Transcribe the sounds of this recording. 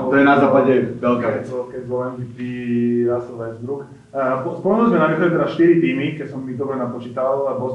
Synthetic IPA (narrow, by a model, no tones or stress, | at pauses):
t̪ɔjɛnazaːpaɟɛʋɛlkɛɛlkɛzɔlɛnkit̪iɾasɔʋɛd͡zd̪ɾuk | ɔspɔlɔɦnɔzmɛnamɛt̪ɔɛlit̪ɛdasʃt̪iɾit̪iːmikɛsɔmːid̪ɔbɾɛnat̪̚pɔt͡ʃiːt̪aalapɔs